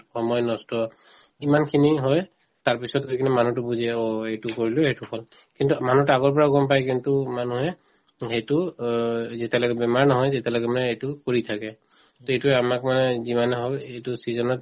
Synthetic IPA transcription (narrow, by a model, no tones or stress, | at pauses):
xɔmɔjnɔstɔ | imankʰiniɦɔj | taɹpisɔt̚ɡojkʰinɛmanut̬ʊbuzɛoejtukoɹilʊhejtuhɔl | kintumanutʊaɡɔɹp̬ɔɹaɡɔmpajkintumanuɦɛ | ɦejtʊ | zitɛloɡɛbɛmaɹnɔɦɔjzetɛloɡɛmanɛejtʊkoɹitʰakɛ | toejtuɛamakmanɛzimanɛɦɔbejtʊsizɔnɔt̚